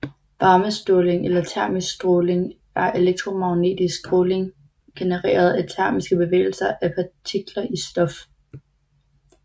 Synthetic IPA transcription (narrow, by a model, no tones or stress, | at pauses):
ʋɑ̈ːməsd̥ole̝ŋʔelɐt͡sʰæɐ̰missd̥ʁoːle̝ŋ | æɐʔe̝leɡ̥̚t͡sʰʁo̝mɑ̈ʊne̝̰ːd̥isɡ̥̚kʰole̝ŋ | ɡ̥e̝nəʁḛːɐð̞̩ˠæt͡sʰæɐmisɡ̥əb̥e̝ʋḛːl̩sɐʔæpʰɑ̈t͡sʰiɡ̥lɐʔisd̥ɒ̽f